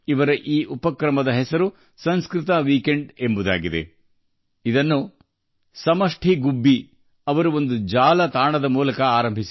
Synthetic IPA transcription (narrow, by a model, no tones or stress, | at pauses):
iʋɐɾɐʔiːʔupɐkɾɐmɐd̪ɐɦɛsɐɾu | sɐnskɾɪt̪ɐʋiːke̞ɳɖembud̪a̰ːɡid̪e̞̰ | id̪ɐnːu | sɐmɐʂʈʰiɡubːi | ɐʋɐɾuo̞nd̪ud͡ʒaːlɐt̪aːɳɐd̪ɐmuːlɐkɐaːɾɐmbʱisi